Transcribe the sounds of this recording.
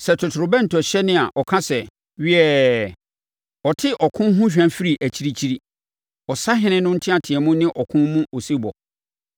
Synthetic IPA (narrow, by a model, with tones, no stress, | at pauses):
sɛ˨tʰʊ˨tʰʊ˨ɾʊ˨bɛ˦n̩˨tʰɔ˨ɕɛ˦nɪ̃˦a˨ʔɔ˨kʰã˦sɛ˨ | ɥi˦ɛ˦ | ɔ˨tʰɪ˦ʔɔ˨kʰʊ̃˦ɦʊ̃˦ɕᶣã˨˦fi˦ɾi˨ʔæ˨t͡ɕʰi˦ɾi˦t͡ɕʰi˦ɾi˦ | ɔ˨sa˦ɦɪ̃˦nɪ̃˦nʊ̃˦n̩˦tʰɪ̃˦a˨tʰɪ˨ɛ˨mʊ̃˦nɪ̃˦ʔɔ˨kʰʊ̃˦mũ˦o˨si˦bɔ̰˨